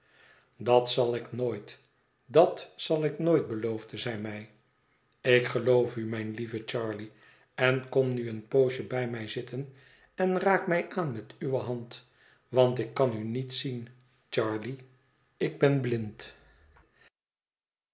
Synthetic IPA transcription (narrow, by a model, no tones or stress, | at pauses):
dɑtsɑlˠɪknoːjt | dɑtsɑlˠɪknojt̚bəlowvdəzɛjmɛj | ɪkχəlowfymɛjnlivət͡ʃɑːɹli | ɛnkɔmnyənpowʃəbɛjmɛjzɪtən | ɛnraːkmɛjʔaːnmɛtyʋəɦɑnt | ʋɑntɪkːɑnynitsin | t͡ʃɑːɹli | ɪɡ̚bɛnblɪnt